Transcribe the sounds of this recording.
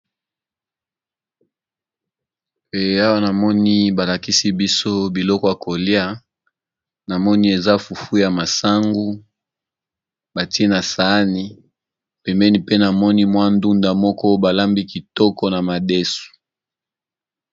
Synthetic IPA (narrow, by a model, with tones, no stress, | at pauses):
e˨a˦wa˦na˨mɔ˦ni˦ba˨la˨ki˦si˦bi˦so˦bi˨lɔ˦kɔ˦ja˨ko˨li˦a˦ | na˨mɔ˦ni˦e˨za˦fu˨fu˦ja˨ma˨sa˦ŋɡu˦ | ba˨ti˦e˦na˨sa˨˦ni˦ | pɛ˨mbɛ˦ni˦pe˦na˨mɔ˦ni˦mwa˦ndu˦nda˨mɔ˦kɔ˦ba˨la˦mbi˦ki˨tɔ˦kɔ˦na˨ma˨de˦su̥˨